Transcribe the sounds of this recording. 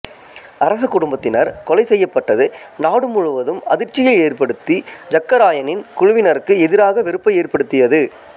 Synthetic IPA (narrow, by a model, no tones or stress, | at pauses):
ɐɾɐs̬ɐkːʊɽʊmbɐt̪ːɪnɐɾkɔlɐɪsɛjːɐpːɐʈːɐðɯnaːɽɯmʊɻʊʋɐðɯmɐ̰ðɪɾt͡ʃːɪjɐɪeːrpɐɽɯt̪ːid͡ʒɐkːɐɾaːjɐnɪnkʊɻʊʋɪnɐɾɯkːɯɛðɪɾaːɣɐʋɪɾɯpːɐɪeːrpɐɽɯt̪ːɪjɐðɯ